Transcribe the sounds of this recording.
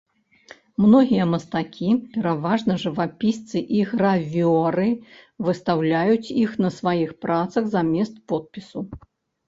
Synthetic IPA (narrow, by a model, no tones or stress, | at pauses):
mnɔɣʲijɐmɐst̪akʲʰipʲɛɾavaʐnɐʐɨvapʲist̪sɨʔiɣɾavʲɔɾɨvɨst̪awlʲajut͡sʲixnɐsvajixpɾat̪sɐɣzamʲɛst̪pɔt̪̚pʲisu